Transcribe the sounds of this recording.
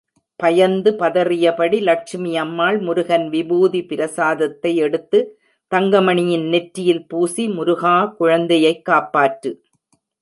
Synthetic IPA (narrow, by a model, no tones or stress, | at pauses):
pɐjɐnd̪ɯpɐðɐrɪjɐpɐɽilɐk̚ʂɪmɪjɐmːaːɭmʊɾʊɣɐnʋɪbuːðipɪɾɐsaːðɐt̪ːɐɪɛɽɯt̪ːɯ | t̪ɐŋɡɐmɐɳɪjɪnnɛʈɾɪjɪlpuːsimʊɾʊɣaːkʊɻɐnd̪ɐjɐɪkːaːpːaːʈɾɯ